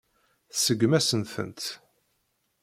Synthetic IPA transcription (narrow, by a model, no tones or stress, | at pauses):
θsəɡmæsənθə̰nt̪